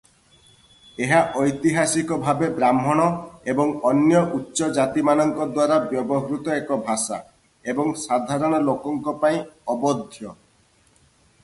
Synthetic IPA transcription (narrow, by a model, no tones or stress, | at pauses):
eɦaʔɔjt̪iɦasikɔbʱabebɾamɦɔɽ̃ɔebɔŋɔnjɔʔutːʃɔd͡ʒat̪imanɔŋkɔd̪waɾabjɔbɔɦɾut̪ɔekɔbʱasa̰ | ebɔŋsad̪ʱaɾɔɽ̃ɔlokɔŋkɔpaĩɔbɔd̪ʱjɔ